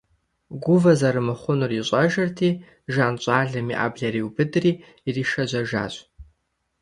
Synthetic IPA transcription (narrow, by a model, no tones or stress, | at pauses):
ɡʷʊvɐzɐɾɨmɨχʷʊnɨriɕʷʼɐʒɐrtʰiː | ʒaːnt͡ʃʷʼaːɮɨmiʔa̰bɮɐriwbɨdriː | riːʃɐd͡ʒʷɐʒa̰ːɕʷʼ